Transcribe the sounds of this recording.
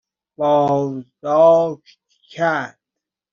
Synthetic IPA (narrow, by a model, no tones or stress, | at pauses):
b̥ɒːzd̪ɔːʃt̪ | kʰæɾd̪̥